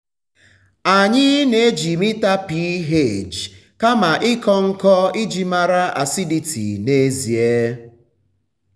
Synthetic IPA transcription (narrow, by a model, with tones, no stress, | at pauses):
a˨ɲɪ˦ne˨e˦d͡ʒi˨mi˦ta˦pi˦ɦe˦˨d͡ʒ | ka˦ma˨ʔɪ˦kɔ˦ŋ̩˦kɔ˦ɪ˦d͡ʒi˦ma˦ɾa˦ʔa̰˨si˦di˨tʰḭ˨ne˦zi˨e˦